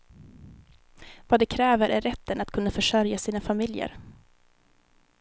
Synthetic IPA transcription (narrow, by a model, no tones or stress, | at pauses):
vaːd̪ɛkʰɾɛːvəɾʔæɾɛt̪ʰːənat̪̚kʰɵnːafœʂœɾjasiːnafamɪljə̰ɾ